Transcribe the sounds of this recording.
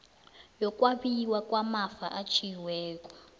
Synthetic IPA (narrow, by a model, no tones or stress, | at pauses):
jɔkʼwaɓiwakwamafaʔat͡ʃʰiwɛːkʼɔ̥